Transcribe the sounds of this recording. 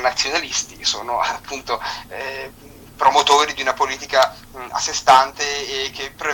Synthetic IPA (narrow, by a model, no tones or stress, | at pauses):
nat̪sːjonalist̪iso̰ːnoapːunt̪o | pɾomot̪oːɾid̪iunapoliːt̪ika | a̰sːest̪ant̪eːk̟ːepːɾe